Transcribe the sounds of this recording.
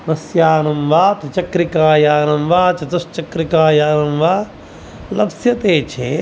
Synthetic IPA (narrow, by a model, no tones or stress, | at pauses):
nɐsjaːnɐmʋaːt̪ɐt͡ʃɐkɾikaːjaːnɐmʋaːt͡ʃɐt̪ɐʃt͡ʃɐkɾikaːjaːnɐmʋaː | lɐbsjɐt̪eːt͡ʃʰḛː